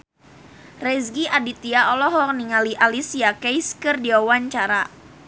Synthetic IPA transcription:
rɛsɡiʔadit̪iaɔlɔɦɔk̚niŋaliʔalisiakɛjskɨrdiawaɲt͡ʃaɾa

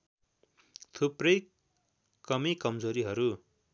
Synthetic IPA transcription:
t̪ʰuprʌj | kʌmikʌmd͡zoɾiɦʌɾu

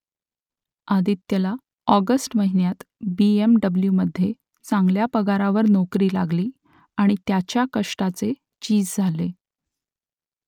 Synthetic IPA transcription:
ad̪it̪ːəla | ɔɡəsʈməɦinjat̪biemɖəbljuməd̪ʱːje | t͡saŋɡljapəɡaɾaʋəɾnokɾiːlaɡliː | aɽ̃it̪jat͡ɕjakəʂʈat͡se | t͡ɕiːd͡zd͡zʱale

